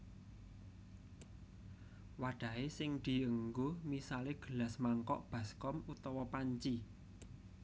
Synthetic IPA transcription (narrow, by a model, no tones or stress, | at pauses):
waɖ̪̥a̤esɪŋd̪̥i̤əŋɡomisaleɡ̥ə̤lasmaŋkɔ̰ʔb̥a̤skɔmut̪ɔwɔpaɲt͡ʃi